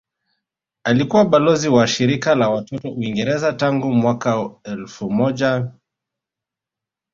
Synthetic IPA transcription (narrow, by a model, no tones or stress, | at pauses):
alikuwaɓalɔziwaʃiɾikalawatɔtɔuiŋɡɛɾɛzataŋɡumwakaɛlfumɔʄa